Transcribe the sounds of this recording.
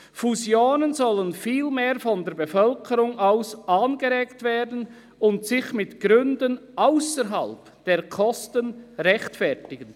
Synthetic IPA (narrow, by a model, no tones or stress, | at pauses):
fuzjoːnənzɔlənfiːlmeːɾfɔndeːɾbefœlkʰəɾʊŋʔaʊsʔaːnɡəɾeːktveːdn̩ | ʊntsɪçmɪtɡ̥ɾʏndənʔaʊsəɾɦɑ̰lp | d̥eːkʰɔstənʁɛçtfɛɾtɪɡən